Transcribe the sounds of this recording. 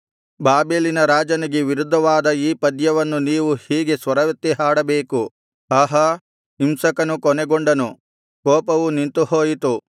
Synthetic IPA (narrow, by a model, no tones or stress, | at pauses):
baːbeːlinɐɾaːd͡ʒɐniɡeʋiɾud̪ʱːɐʋaːd̪ɐiːpɐd̪jɐʋɐnːuniːʋuhiːɡe̞sʋɐɾɐʋɐt̪ːiɦaːɽɐbeːku | ɐɦɐ | imsɐkɐnukɔnɛɡoɳɖɐnu | kɔːpɐʋunint̪uhoːjit̪u